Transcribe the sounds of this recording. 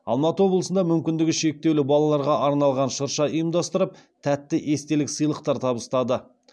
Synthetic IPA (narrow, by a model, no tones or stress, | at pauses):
ɑ̰lˠmɑt̪əwo̞blˠəsənd̪ɑmʏmkʲɪnd̪ɪɡʲɪʃe̞k̚t̪e̞wlɪbɑlˠɑlˠɑɾʁɑʔɑɾnɑlˠʁɑnʃəɾʃɑəjəmd̪ɑst̪əɾəp̚t̪ʰæt̪ːɪʔe̞st̪e̞lɪksəjlˠəqt̪ɑɾt̪ʰɑbəst̪ɑd̪ə